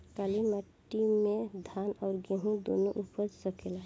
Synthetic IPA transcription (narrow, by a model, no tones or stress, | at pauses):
kaliməʈːimẽd̪ʱanɔʊɾɡẽɦũd̪o̰noʔupəɾsəkʰela